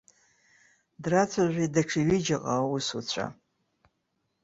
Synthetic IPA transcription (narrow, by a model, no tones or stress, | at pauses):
drat͡sʷʰaʒʷidaʈ͡ʂʰiɥɪd͡ʒaqʼawusut͡ɕʷʰa̰